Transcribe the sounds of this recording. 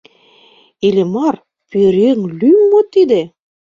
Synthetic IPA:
elemɑr | peɾeŋlymːot̪id̪ĕ

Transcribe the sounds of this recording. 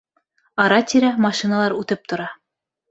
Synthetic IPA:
ɑɾɑt̪ʲiɾæmɑʃinalˠɑɾʉt̪ɤp̚t̪ŏɾɑ

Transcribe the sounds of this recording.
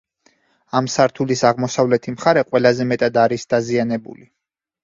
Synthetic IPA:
amsaɾt̪ʰulisaʁmɔsavlɛt̪ʰimχaɾɛqʼwɛlˠazɛmɛt̪ʼad̪aɾisd̪̥azianɛbṵli

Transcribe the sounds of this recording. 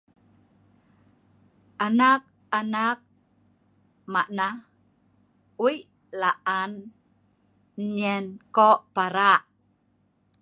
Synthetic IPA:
ʔanak̚ | anak̚ | maʔna | ujʔ | laʔan | ɲɛnkoʔpaɾaʔ

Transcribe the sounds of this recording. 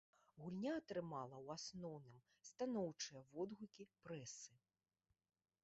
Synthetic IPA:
ɣulʲnʲaːt̪ɾɨmalˠɐwasnɔwnɨm | st̪anɔwt͡ʂɨjɐvɔd̪ɣukʲipɾɛsɨ

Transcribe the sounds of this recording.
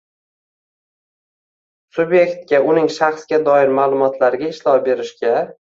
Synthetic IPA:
sʊbje̞kt̪̚kʲaʔʊnɪŋʃaχsɡʲad̪ɒɪɾmaːlˠʊmɒt̪ʰlaɾɪɡʲaɪʃlɒwbe̞ɾɪʃkʲa

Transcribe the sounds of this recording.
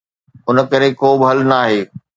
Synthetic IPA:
ʊnə̆kɐɾekoːbɪɦɐlnaːɦeː

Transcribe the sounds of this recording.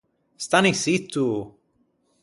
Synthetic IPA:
st̪anisit̪ːu

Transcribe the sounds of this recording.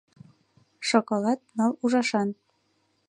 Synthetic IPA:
ʃokolˠɑt̪̚nɑlˠuʒɑʃɑn

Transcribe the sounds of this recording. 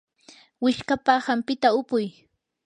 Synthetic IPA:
wɪʃkapahampɪt̪aʊpʊj

